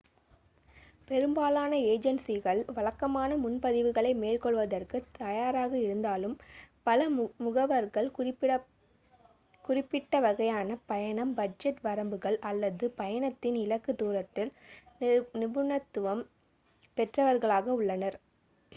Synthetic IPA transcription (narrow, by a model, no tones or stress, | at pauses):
pɛɾɯmbaːlaːnɐeːd͡ʒɛnsiɣɐɭʋɐɭɐkːɐmaːnɐmʊnpɐðɪʋɯɣɐɭɐɪmeːlkɔɭʋɐðɐrkɯt̪ɐjaːɾaːɣɐɪɾɯnd̪aːlɯmpɐlɐmʊɣɐʋɐɾɣɐɭ | kʊrɪpːɪʈːɐʋɐɣɐjaːnɐpɐjɐnɐmbɐɖ̚d͡ʒɛʈʋɐɾɐmbɯɣɐɭɐlːɐðɯpɐjɐnɐt̪ːɪnɪlɐkːɯd̪uːɾɐt̪ːɪl | nɪbʊɳɐt̪ːɯʋɐm | pɛʈrɐʋɐɾɣɐɭaːɣɐʊɭːɐnɐɾ